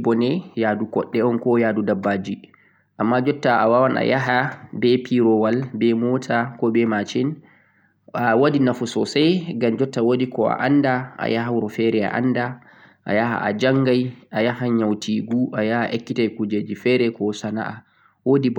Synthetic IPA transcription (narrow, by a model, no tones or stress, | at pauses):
bɔnɛjadukɔ̰ɗːɛɔnkɔjaːdudabːaːd͡ʒi | ʔamːad͡ʒɔtːaa̰wawanʔa̰jaɦabɛpʰiɾɔwalbɛmɔtʰakɔbɛmat͡ʃɛn | awodinafusɔsajɡamd͡ʒɔtːawodikɔa̰ʔa̰nːdaʔa̰jaɦawuɾɔfɛɾɛa̰ʔa̰nːda | ʔa̰jaɦa̰a̰d͡ʒaŋɡajʔajahaɲawtiɡuʔajahaʔekːitajkud͡ʒed͡ʒifɛɾɛkɔsana̰ʔa | wodib